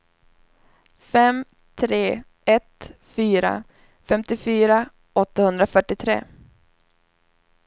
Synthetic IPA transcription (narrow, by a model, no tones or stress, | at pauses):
fɛm | t̪ʰɾeː | ɛt̪fyːɾa̰ | fɛmt̪ɪfyːɾa | ɔt̪ːahɵnd̪ɾafœʈːɪt̪ʰɾḛː